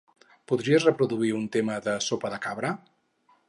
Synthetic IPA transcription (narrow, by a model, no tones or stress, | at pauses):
puðɾiəzrəpɾuðuiunt̪eməðəsopəðəkaβɾə